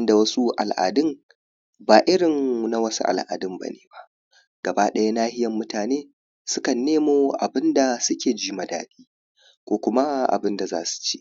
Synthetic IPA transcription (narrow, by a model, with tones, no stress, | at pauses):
ɪ˦nda˨wɐ˦su˦ʔa̰˨lʔa̰ː˨dɪ˦ŋ | baː˨ʔɪ˦ɽɪ˨ŋna˦wɐ˦su˦ʔa̰˨lʔa̰ː˨dɪ˦mba̰˦neː˨ba˦ʔ | ɡ̥ɐ˨ba˦ɗɐ˦ja˦naː˦hɪ˦jɐ˨mːʊ˦taː˨neː˦ | sʊ˦kɐ˨nːeː˦moː˨ʔa˨bɪ˦nda˨sʊ˦kʲeː˨d͡ʒiː˦mɐ˨da̰ː˦ɗiː˦ | kʷoː˦kʷʊ˦ma˦ʔa̰˨bɪ˦nda˨za̰ː˦su̥˨t͡ʃe̥ː˦ʔ